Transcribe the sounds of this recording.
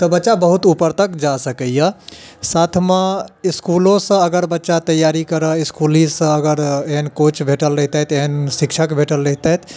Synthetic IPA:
t̪ɔbətːʃabəɦut̪upəɾt̪əkd͡ʒasəkəjəsat̪ʰmẽiskulõsə̃əɡəɾbətːʃat̪əjaɾikəɾəiskulisə̃əɡəɾenkot͡ʃbʱeʈəlɾəɦt̪ɛt̪eɦnsikt͡ʃʰəkbʱeʈəlːəɦt̪ɛt̪ʰ

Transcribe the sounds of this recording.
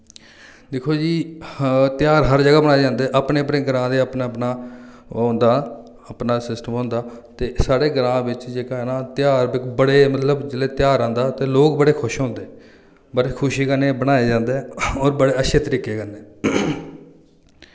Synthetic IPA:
d̪ɪkʰoːd͡ʒiː | t̪jaːɾɦəɾd͡ʒəɡaːbəɽ̃aːeːd͡ʒãːnd̪eːʔəpneːəpɽeːɡəɾãːd̪eːəpnaːpnaː | õːnd̪aː | əpnaːsɪsʈəmɦõːnd̪aːt̪eːsaːɽeːɡɾãːʋɪt͡ʃd͡ʒeːkaːɛːnaːt̪ɪjaːɾbɪkbəɽeːmət̪ləbd͡ʒɪleːt̪jaːɾãːnd̪aːt̪eːloːk̚bəɽeːkʰʊʃɦõːnd̪eː | bəɽeːkʰʊʃiːkəneːbəɽaːeːd͡ʒãːnd̪eːɔːɾbəɽeːəʃʰeːt̪əɾiːkeːkəneː

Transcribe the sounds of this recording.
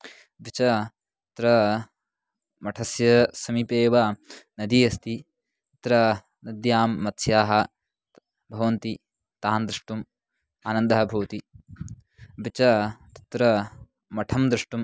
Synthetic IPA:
bit͡ʃɐ | t̪ɾɐ | mɐʈʰɐsjɐsɐmipeːʋaːnɐd̪ijɐst̪i | t̪ɾɐ | nɐd̪jaːmːɐt̪sjaːɦɐ | bʱɐʋɐnt̪i | t̪aːnd̪ɾiʂʈum | aːnɐnd̪ɐɦɐbʱɐʋt̪i | bit͡ʃɐt̪ɐ̥t̪ɾɐ | mɐʈʰɐmd̪ɾɪʂʈum

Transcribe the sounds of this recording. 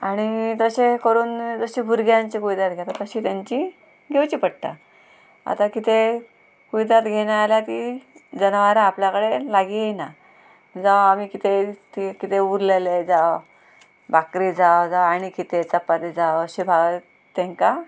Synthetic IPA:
aɽ̃it̪əɕekəɾuːnd͡zəɕibʱuɾɡjãɲt͡ɕikuʋid̪at̪ɡʱet̪at̪əɕiːt̪jaɲt͡ɕi | ɡʱewt͡ɕiːpəɽ̚t̪a̰ | a̰t̪akit̪e | kuʋid̪at̪ɡʱeñaːljat̪iːd͡zənʋaɾaːpljakəɽelaɡijejna | d͡zawamiːkit̪et̪ikit̪euɾleled͡zaw | bakɾid͡zawd͡zawaɽ̃ikit̪et͡səpːat̪ed͡zawəɕibʱaɡ | t̪ːẽŋka

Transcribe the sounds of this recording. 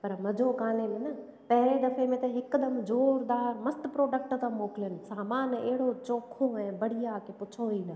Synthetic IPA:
pɐɾmɐd͡ʑʱokaːnemẽnɐ | pɐɦɪɾed̪ɐfemẽt̪ɐɦɪkd̪ɐmd͡ʑoːɾd̪aːɾmɐst̪pɾoːɖək̚ʈt̪ãmoːkɪljənɪ̆saːmaːneːɦɪɽot͡ɕoːkʰõɛ̃ːbɐɽ̤ijakepʊt͡ɕʰoːiːnə

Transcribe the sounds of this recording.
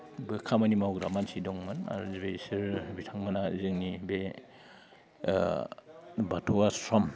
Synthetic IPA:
bekʰamanimawɡɾamansidɔŋmɯna̰ɾzibesiɾbitʰaŋmanazɯŋnibe | batʰɔwasɾɔm

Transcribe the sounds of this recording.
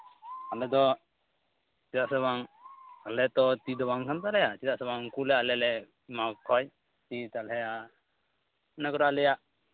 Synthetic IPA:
alɛd̪ɔ | t͡ʃid̪aʔsɛβaŋalɛt̪ɔt̪id̪ɔbaŋkant̪alɛjat͡ʃid̪aʔsɛβaŋkulɛalɛlɛ | makʰɔj | t̪it̪alɦɛja | nɛkɔɾaalɛjaʔ

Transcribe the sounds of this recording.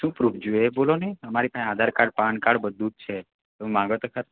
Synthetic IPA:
ʃũːpɾuːpʰd͡ʒoebolonəjəmaɾipããd̪ʱaɾkaɽpãɳkaɽbəd̪ut̪̚t͡ʃʰe | ũmãɡəɭt̪əkʰat̪

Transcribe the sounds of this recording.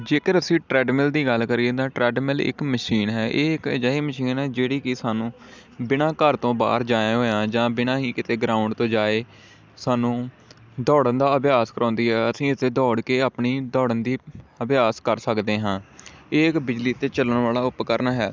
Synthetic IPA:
d͡ʒeːkəɾəsĩːʈɾɛːɖmɪld̪iːɡəlkəɾiːt̪ãːʈɾɛːɖmɪlɪ̰kməʃiːnɦɛːʔeːɪkd͡ʒaːiːməʃiːnɦɛːd͡ʒeːɽiːkɪsaːnũː | bɪnãːkəɾt̪õːba̰ːɾd͡ʒaːjãːɦoːãːd͡ʒãːbɪnãːɦiːkɪt̪eːɡɾaːʊɳɖt̪õːd͡ʒaːeː | saːnũː | d̪ɔːɽənd̪aːəbɪjaːskəɾʔɔ̃ːnd̪iːɦɛːəsĩːɪt̪eːd̪ɔːɽkeːaːpɳiːd̪ɔːɽənd̪iːəbɪjaːskəɾsəkd̪eːɦãːeːɪkbɪd͡ʒliːt̪eːt͡ʃələɳʋaːlaːʊpkəɾnaːɦɛː

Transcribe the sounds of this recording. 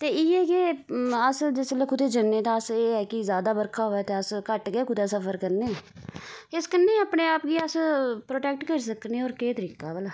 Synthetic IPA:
t̪eːɪeːkeəsd͡ʒɪslekʊd̪eːd͡ʒənːeːt̪ãəseːɛːkɪzjaːd̪aːbəɾkʰaːɦoːɛːt̪eːəskəʈɡeːkʊd̪eːsəpʰəɾkəɾneː | ɪskənːeːəpneːaːpɡiːəspɾoːʈɛːk̚ʈkəɾis̬əkneoːɾkeːt̪əɾiːkaːbəlaː

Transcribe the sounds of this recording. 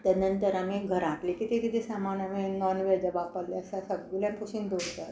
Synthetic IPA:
t̪ənənt̪əɾamiɡʱəɾaʈlikit̪ekit̪ʰesamanaminɔnʋed͡ʑəbapəleəsasəbljãpʰusiːnd̪oɽt̪a

